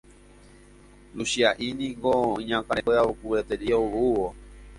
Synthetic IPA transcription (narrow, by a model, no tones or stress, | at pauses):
ɾuʃiaʔinĩŋɡoĩɲãkaɾeeaukuβet̪eɾioβuʋo